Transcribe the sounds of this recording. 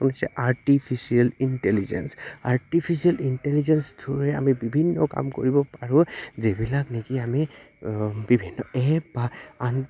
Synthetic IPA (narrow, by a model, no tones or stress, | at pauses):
ɔnasɛ̰ʔaɹtipʰisialintɛlizɛ̰nsaɹtipʰisialintɛlizɛnsdʰʱʊɹɛa̰mibibʱinːɔka̰mko̰ɹibɔpaɹʊ̃zebilaknekiami | bibʱinːɔɛbaan